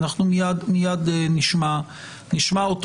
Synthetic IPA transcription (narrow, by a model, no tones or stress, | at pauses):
naχnumijadmijad̪eniʃma | niʃmaot